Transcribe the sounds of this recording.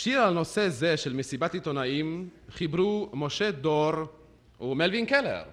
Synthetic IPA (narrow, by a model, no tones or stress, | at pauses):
ʃiʁalno̞se̞ze̞ʃe̞lmesibat̪it̪onaimχibɾumo̞ʃe̞d̪oɾ | umelvinkelḛʁ